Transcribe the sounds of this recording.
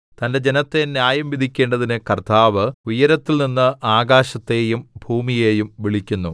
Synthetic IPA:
t̪ɐnde̞d͡ʑe̞nɐt̪ːe̞njaːjɐmʋid̪ʱikʲːe̞ːɳɖɐðinɨkɐrt̪aːʋɨujɐɾɐt̪ːilninːɨʔaːɡaːɕɐt̪ːe̞ːjumbʱuːmije̞ːjumʋiɭikʲːunːu

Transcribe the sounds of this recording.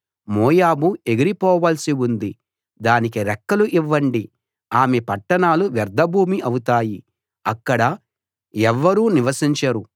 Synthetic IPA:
mɔːjaːbue̞ɡiɾipɔːʋaːlsiund̪i | d̪aːnikiɾɛkːɐluʔiʋːɐɳɖi | aːmepɐʈːɐɳaːluʋɛɾd̪ʱɐbʱuːmiʔɐwut̪aːji | ɐkːɐɽɐ | ɛʋːɐɾuːniʋɐsiɲt͡ʃɐɾu

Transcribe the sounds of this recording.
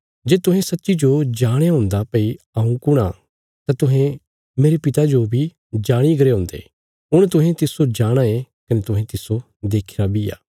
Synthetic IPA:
d͡ʒeːt̪ʊ̃ɦẽsɐtːʃid͡ʒod͡ʒaːɽ̃aɦʊ̃ːnd̪apɐi | ɐũkʊɽ̃a̰ | t̪ãt̪ʊɦẽ | meːɾepɪt̪ad͡ʒobʱi | d͡ʒaːɽ̃ik̬ɐɾeɦʊ̃ːnd̪ḛː | ʊɽ̃t̪̬ʊ̃ɦẽt̪ɪsod͡ʒaːɽ̃ae | kɐnet̪ʊɦẽt̪ɪso | d̪eːkʰiɾabija̰ː

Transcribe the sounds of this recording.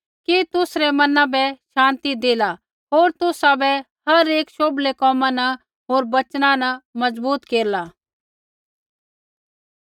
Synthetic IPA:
kit̪ʊsɾɛmɐnãbɛʃãːnt̪id̪eːla | ɦoːɾt̪ʊsabɛ | hɐɾeːkʃoːblekɔːmãna | ɦoːɾbɐt͡ʃnãnɐmɐzbuːt̪keːɾlaː

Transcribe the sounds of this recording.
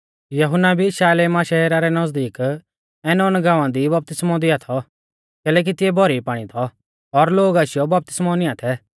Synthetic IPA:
jɐɦʊnːabʱiːʃaːelɛmaːʃaeːɾaɾɛnɐzd̪iːk | ɛːnɔːnɡãːʋãd̪ibɐp̚t̪ɪsmɔ̃d̪iat̪ʰɔ | kɛːlɛːk̬it̪ɪɛbʱɔɾipaːɽ̃it̪ʰɔ | ɔɾloːɡasɪjɔbɐp̚t̪ɪ̥smɔnɪat̪ʰɛ

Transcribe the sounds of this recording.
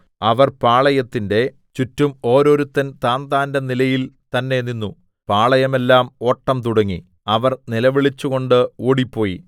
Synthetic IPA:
ɐʋɐrpaːɭɐjɐt̪ːinde̞ | t͡ɕutːumo̞ːɾo̞ːɾut̪ːɐnt̪aːnd̪aːndɐnilɐjilt̪ɐnːe̞ninːu | paːɭɐjɐme̞lːaːmo̞ːʈːɐmt̪uɽɐŋːḭ | ɐʋɐrnilɐʋiɭit͡ɕːuɣo̞ɳɖɨuːɽipːo̞ːjḭ

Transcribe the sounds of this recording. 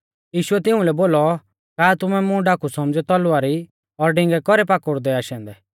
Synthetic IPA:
jiːʃʊɛt̪ɪ̃ũlɛboːlɔ | kaːt̪ʊmɛmʊ̃ɖakusɔmd͡zɛt̪ɔlʊaɾi | ɔɾɖɪ̃ŋɡɛkɔɾɛpaːkʊɾd̪ɛaːʃɛ̃ːnd̪ɛ

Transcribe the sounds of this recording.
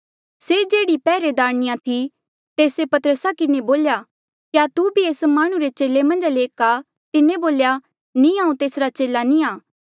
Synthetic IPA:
sed͡ʒeːɽipɛːɾed̪aːɽ̃ɪjãt̪ʰi | t̪eːsepɐt̪əɾəsakɪneboːlja | kjat̪ubʱieːsmaːɽ̃ũɾet͡ʃeːlemɐ̃nd͡ʒleːka | t̪ɪneboːlja | nĩãːũt̪eːsɾat͡ʃeːlanĩaː

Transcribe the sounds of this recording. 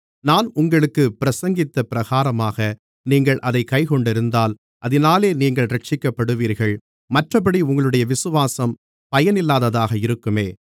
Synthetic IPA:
naːnʊŋɡɐɭɯkːɯpːɪɾɐsɐŋɡɪt̪ːɐpɪɾɐɣaːɾɐmaːɣɐ | niːŋɡɐɭʔɐðɐɪkːɐɪkɔɳɖɪɾɯnd̪aːl | ʔɐðɪnaːleːniːŋɡɐɭɾɐʈ̚t͡ʃɪkːɐpːɐɽɯʋiːɾɣɐɭ | mɐʈrɐpɐɽiʊŋɡɐɭɯɽɐjɐʋɪsɯʋaːsɐm | pɐjɐnɪlːaːðɐðaːɣɐɪɾɯkːɯmeː

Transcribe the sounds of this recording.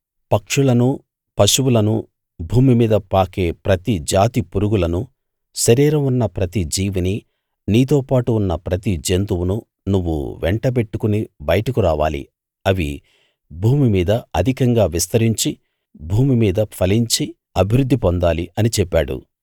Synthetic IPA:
pɐkʂulɐnu | pɐʂuwulɐnu | bʱuːmimiːd̪ɐpaːke̞ːpɾɐt̪id͡ʒaːt̪ipuɾuɡulɐnu | ʃɐɾiːɾɐmunːɐpɾɐt̪id͡ʒiːʋini | niːt̪oːpaːʈuːnːɐpɾɐt̪id͡ʒent̪uwunu | nuʋːṵʋɛɳʈɐp̬e̞ʈːukunibɐjɐʈɐkuɾaːʋa̰ːlḭ | ɐʋḭ | bʱuːmimiːd̪ɐɐd̪ʱikɐŋɡaːʋist̪ɐɾiɲt͡ʃi | bʱuːmimiːd̪ɐpʰɐliɲt͡ʃi | ɐbʱiɾud̪ʱːipond̪aːliʔɐnit͡ʃɛpːaːɽṵ

